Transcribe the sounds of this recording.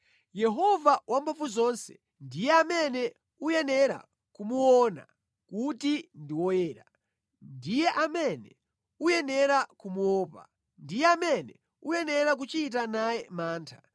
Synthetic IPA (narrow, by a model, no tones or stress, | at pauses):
jɛɦɔvawʔampʰafuzɔnsɛ̥̰ | ndijɛamɛnɛ | ujɛnɛɾa̰ | kumuɔna̰ | kutindiwɔjɛːɾa | ndijɛʔamɛnɛ | ujɛnɛɾakumuɔːpa̰ | ndijɛamɛnɛ | ujɛnɛɾak̬ut͡ʃit̬anajɛmaːntʰḁ